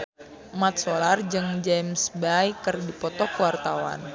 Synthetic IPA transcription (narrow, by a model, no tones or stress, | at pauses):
mat̪̚solard͡ʒɨŋd͡ʒɛmsbajkɨrdipɔt̪ɔkəwart̪awa̰n